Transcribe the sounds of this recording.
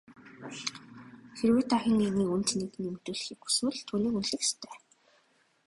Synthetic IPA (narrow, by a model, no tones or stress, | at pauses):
xerwɘt̪axʲĭneniːun̥t͡ɕnikɘ̆nemʰt̪uːɮ̆xiːku̥swɘ̆ɮt̪ʰuniːŋuɮɘ̆kst̪ʰæ̥ː